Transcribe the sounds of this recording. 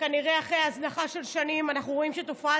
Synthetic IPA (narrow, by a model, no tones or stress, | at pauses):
kaniʁe̞aχʁejaslaχaʃe̞lʃanimanaχnuʁo̞imʃet̪ofa